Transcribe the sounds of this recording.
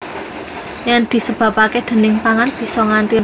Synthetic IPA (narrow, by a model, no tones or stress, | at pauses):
jand̪̥i̤səb̥ä̤paked̪̥ə̤nɪŋpaŋanb̥i̤sɔŋant̪i